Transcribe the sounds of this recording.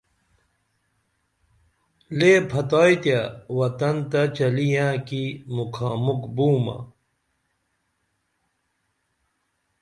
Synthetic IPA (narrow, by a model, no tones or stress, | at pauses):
leːpʰɐt̪aːjt̪jawɐt̪ɐnt̪ɐt͡ɕɐlijãːkimukʰaːmukbuːmɐ̰